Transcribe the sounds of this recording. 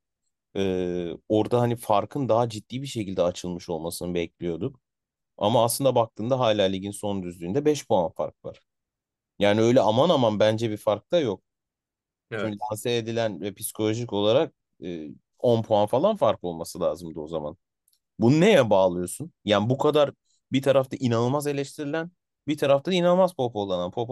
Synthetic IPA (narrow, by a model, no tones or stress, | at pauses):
ɛːo̞ɾd̪aɦanifaɾkʰɯnd̪aɦad͡ʒit̪ːiːbiʃe̞cʰilʲd̪ɛat͡ʃʰɯlˠmɯʃo̞lˠmasɯnɯbɛclʲijo̞d̪um | a̰maːslˠɯnd̪abak̚t̪ʰɯːnd̪aɦaːlʲaːlʲiɟinso̞nd̪yzlʲyːnd̪ɛbɛʃpʰo̞anfa̰ɾk̚va̰ɾ̥ | jaːniø̞jlʲɛamanamanbænd͡ʒɛbifaɾk̚t̪ʰajo̞k̚ | t͡ʃymcid̪ʰansɛːd̪ilʲænvɛpʰi̥si̥kʰo̞lʲo̞ʒico̞lˠaɾak̚ | ɯː | o̞npʰo̞anfalˠanfaɾko̞lˠmasɯlʲaːzɯmd̪ɯo̞zama̰n | bununejɛbaːlˠɯjo̞sunjaːnbukʰad̪aɾ | bit̪ʰaɾaft̪ʰaʔinanɯlˠmaze̞lʲɛʃt̪ʰiɾilʲæn | bit̪ʰaɾaft̪ainanˠmazpʰo̞po̞lˠananpʰo̞p